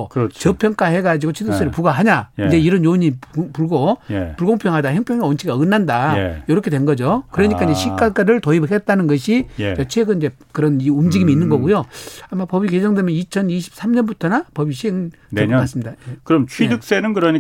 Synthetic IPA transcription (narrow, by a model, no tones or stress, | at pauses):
kɾt͡ɕt͡ɕʌpʰjʌŋk͈ʰahe̞ɡad͡ʑiɡot͡ɕʰidɯk̚s͈eɾɯɭpuɡaɦaɲaind͡ʑe̞iɾʌnjoɲipuɭɡoj̰puɭɡoŋpʰjʌŋɦadaheŋpʰjʌŋont͡ɕʰiɡaɯnːandaḛjʌɾʌkʰe̞dwe̞nɡʌd͡ʑokɯɾʌɲikaiɲd͡ʑeɕʰik͈ak͈aɾɯɭtoiphet̚t͈anɯnɡʌɕʰit͡ɕʌt͡ɕʰeɡɯnind͡ʑe̞ | kɯɾʌniumd͡ʑiɡimiinːɯnɡʌɡujoamːapʌbiked͡ʑʰʌŋdemjʌnit͡ɕʰʌniɕʰi̥p̚s͈ʰamɲʌnbutʰʌnapʌbiɕʰieŋ | ekasɯmidakɯɾʌmt͡ɕʰwidɯk̚s͈enɯnkɯɾʌɲi